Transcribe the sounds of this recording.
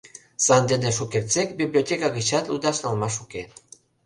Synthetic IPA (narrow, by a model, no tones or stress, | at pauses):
sand̪enesukeɾt͡sekbiβliot̪ekaɣiʃat̪lud̪asalmaʃuke